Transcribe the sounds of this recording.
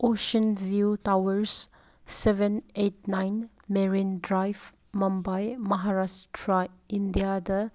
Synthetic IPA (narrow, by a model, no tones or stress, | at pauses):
oʃənbʱjutawəɾs | sevenet̚najn | meɾindɾajv | mɐmbajmɐɦaɾastʰɾaindiadɐ